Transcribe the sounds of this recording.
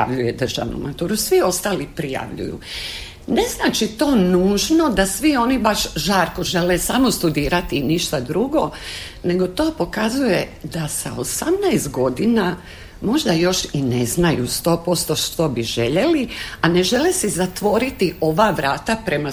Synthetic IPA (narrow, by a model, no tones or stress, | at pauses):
a̰ʋʎujed̪r̩ʒa̰ʋnṵmat̪uːɾusʋio̞st̪aːlipɾija̰ʋʎṵjṵ | ne̞znaːt͡ʃit̪o̞ːnuːʒno̞d̪asʋio̞ːnibaʃʒaːɾko̞ʒe̞lesamo̞st̪ud̪iːɾat̪iniʃt̪ad̪ɾuɡo̞ | ne̞ɡo̞t̪o̞ːpo̞kazujed̪asa̰osamnajst̪ɡo̞d̪ina | mo̞ʒd̪ajo̞ʃineznajust̪o̞ːpo̞st̪o̞ʃt̪obiʒe̞ʎe̞liane̞ʒe̞lesizat̪ʋo̞ɾit̪io̞ʋaːʋɾaːt̪apɾe̞ma